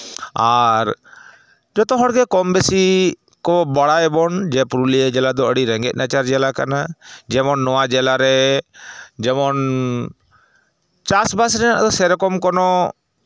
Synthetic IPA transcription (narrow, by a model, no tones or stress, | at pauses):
aɾ | d͡ʒɔt̪ɔɦɔɽɡɛkɔmbesi | kɔbaɽaɛbɔnd͡ʒɛpuɾuliɛd͡ʒɛlad̪ɔəɽiɾɛ̃ŋɡɛt̪̚ˀnat͡ʃaɾd͡ʒɛlaka̰nad͡ʒɛmɔnːɔwad͡ʒɛlaɾɛ | d͡ʒɛmɔn | t͡ʃasbas̬ɾɛna̰ʔd̪ɔsɛɾɔkɔmkɔnɔ